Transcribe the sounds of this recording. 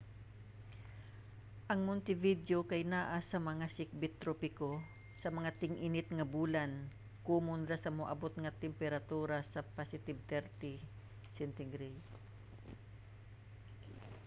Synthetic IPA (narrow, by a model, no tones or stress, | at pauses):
ʔɐŋmʊnt̪ɪvid̪jokajnaːʔasɐmɐŋasɪk̚bɪt̪ːɾopɪko | sɐmɐŋat̪ɪŋʔɪnɪt̪̚ŋɐbuːlan | kumʊnd̪ɾasɐmoʔɐ̰bot̪̚ŋɐt̪ɛmpɛɾat̪uːɾasɐpasɪt̪ɪb̚t̪ɛɾt̪ɪ | sɛnt̪ɪŋɾi